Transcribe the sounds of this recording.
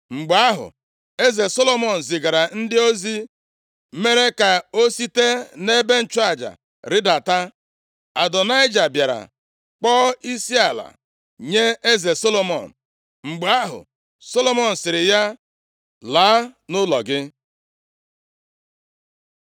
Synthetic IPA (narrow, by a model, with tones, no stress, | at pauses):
ŋ͡m̩˨ɡ͡ba˦ɦʊ̰˨ | e˦ze˨so˦lo˦mɔ˨n̩˨zɪ˨ɡa˨ɾa˨n̩˦dɪ˦o˦zi˦ | me˦ɾe˦ka˨o˦si˦te˦ne˦be˦n̩˨t͡ʃʊ˦a˦˨d͡ʒa̰˨ | ɾɪ˦da˨ta˦ | a˨dɔ˨na˦ɪ˦d͡ʒa˨bja˨ɾa̰˨ | k͡pɔː˦i˦si˦a˨la̰˨ | ɲe˦e˦ze˨so˦lo˨mɔ̰˨n̩˨ | ŋ͡m̩˨ɡ͡ba˦ɦʊ̰˨ | so˦lo˦mɔ˨n̩˨sɪ˨ɾɪ˨ja˦ | laː˨˦nʊ˦lɔ̰˨ɡɪ˦